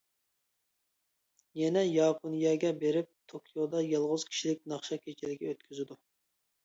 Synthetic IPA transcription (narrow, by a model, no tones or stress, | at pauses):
jɛnɛjɑːpʰonjɛɡʲɛbeɾɪp̚t̪ʰokʲʰijod̪ɑjɑlˠʁʊz̥kʲʰi̥ʃilɪk̚ʲnɑχʃɑkʲʰet͡ʃʰilɪɡʲɛøt̪kʲʰyzɪd̪u